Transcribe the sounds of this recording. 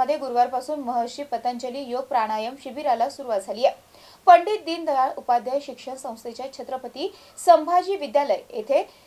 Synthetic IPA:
əd̪ʱjeɡuɾʋaɾpasuːnməɦəɕiːpət̪əɲt͡ɕəliːjoɡ̚pɾaɽ̃ajəmɕibiɾalasuɾuʋat̪̚d͡zʱaliːje | pəɳɖiːt̪̚d̪iːnd̪ʱəjaɭupad̪jəjɕikʂəɳsə̃w̃st̪ʰet͡ɕjat͡ɕʰet̪ɾəpət̪iː | səmbʱad͡ʑiːʋid̪jaləjet̪ʰe

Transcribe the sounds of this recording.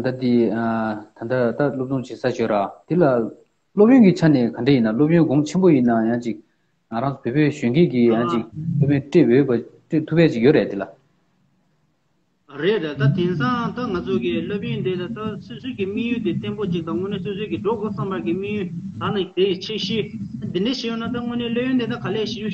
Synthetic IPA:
d̪at̪iː | t̪ʰand̪at̪alop̚t͡ɕuŋt͡ɕisaɕørat̪ila | lop̚jøŋkit͡ɕʰanɛːkʰaɳʈ͡ʂejinalop̚jønɡɔŋt͡ɕʰenbojinːajat͡ɕik̚ | ŋaɾaŋt͡su̥pʰøːpøːɕøkeːkijat͡ɕik̚lopjønʈ͡ʂeʔjøʔpaʈ͡ʂet̪ʰupːɛːt͡ɕikjøɹet̪ela | ɹeʔlat̪at̪ʰeŋsaŋt̪aŋat͡sʰokilop̚jønt̪et̪t̪asosøːkimijyːt̪et̪enpot͡ɕiʔ̚t̪ɑŋøneːsosøːkiʈ͡ʂoʔkosampakimijyːt̪anat̪eit͡ɕʰeɕit̪at̪endet͡ɕʰijønat̪aŋøneːlop̚jønt̪et̪akʰaleːɕiu

